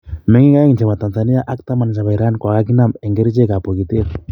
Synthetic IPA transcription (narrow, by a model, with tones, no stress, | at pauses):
mɛ˦ŋi˦ɡa˦ɛ˦ŋnd͡ʒe˨βa˨t̪a˨nza˨ni˦ja˦ʔa˦k̚t̪a˦ma˨nasa˨βa˨i˨ɾa˦nkwa˨ka˦k̬i˦na˦mɛ˨ŋɡe˦ɾi˦t͡ʃe˦ka˨po˨kit̪e˦ɾ